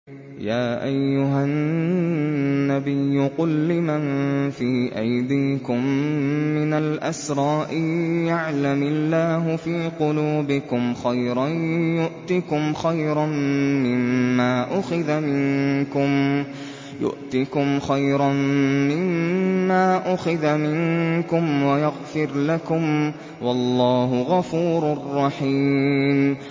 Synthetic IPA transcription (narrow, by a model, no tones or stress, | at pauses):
jaːʔajːʊɦan | abɪjːʊqʊlːɪmanfiːʔajd̪iːkʊmː | ɪnalʔasɾˤɑːʔɪjaʕlamɪlːaːɦʊfiːqʊluːbɪkʊmxajɾˤɑnjʊʔt̪ikʊmxajɾˤanːɪmːaːʔʊxɪðamɪnkʊm | jʊ̰ʔt̪ɪkʊmxajɾanmɪmːaːʔʊxɪðamɪnkʊmwajaɣfɪɾlakʊm | wɑlːɑːɦʊɣafuːɾʊrˤːɑħiːm